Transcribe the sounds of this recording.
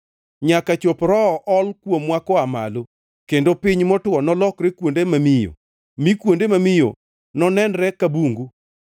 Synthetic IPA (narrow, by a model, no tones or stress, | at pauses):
ɲakat͡ʃopɾɔʔɔlkwomwakɔama̰lo | kendopɪɲmɔtwɔnɔlɔkɾekwondemamijo̰ | mikwondemamɪjo̰ | nɔnɛnɾɛkabuŋɡu